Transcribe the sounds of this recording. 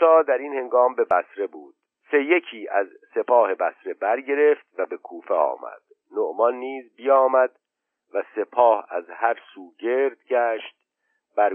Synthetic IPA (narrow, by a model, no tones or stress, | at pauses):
ɒːd̪æɾinhe̞ŋɡɒːmbe̞bæsɾe̞buːd̪̥̚ | se̞jecʰiːʔæz | se̞pʰɒːhe̞bæsɾe̞bæɾɟe̞ɾe̞ft̪væbe̞kʰuːfeɒ̰ːmæ̰d̪̥ | noʔmɒnːiːzbijɒːmæd̪ | væse̞pʰɒːhæ̰zhæɾsuːɟe̞ɾd̪̥ɟæːʃt̪̚ | b̥æɾ